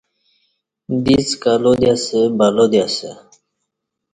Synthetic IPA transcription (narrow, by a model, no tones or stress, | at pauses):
d̪it͡skalod̪jasebalod̪ijase